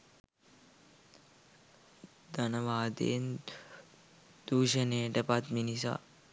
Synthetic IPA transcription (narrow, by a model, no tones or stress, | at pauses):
d̪ɐnɐʋaːd̪ḛn | d̪uːʃəneːʈɐpat̪minisa̰